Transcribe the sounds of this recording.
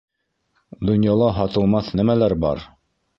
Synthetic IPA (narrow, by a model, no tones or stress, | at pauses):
d̪ŏnjɑlˠɑɦɑt̪ɤ̆lˠmɑθnæmælæɾbɑ̰ɾ